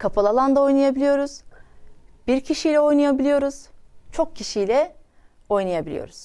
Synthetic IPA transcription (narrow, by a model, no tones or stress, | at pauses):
kʰapʰalˠalˠand̪ao̞jnajabilʲijo̞ɾuz̥ | b̥iɾcʰiʃijlʲɛo̞jnajabilʲijo̞ɾuz̥t͡ʃʰo̞k̚ciʃijlʲɛ | o̞jnajabilʲḭjo̰ɾuz̥